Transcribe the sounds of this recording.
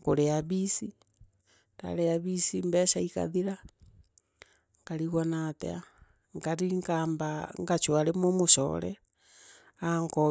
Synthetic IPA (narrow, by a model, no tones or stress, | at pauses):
koɾeaβisi | ta̰ɾeaβisimbeʃaika̰ðiɾa | ŋkaɾiɣonatḛa | ŋɡaɾiŋkaːmbaŋɡat͡ʃwaɾemomoso̰ɾḛ | aŋko